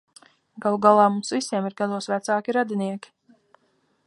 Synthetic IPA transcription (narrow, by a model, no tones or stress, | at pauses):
ɡalˠuɡalˠaːmumsvisiɛmiɾɡad̪uɔsvæt̪saːkʲiɾad̪iniɛkʲi̥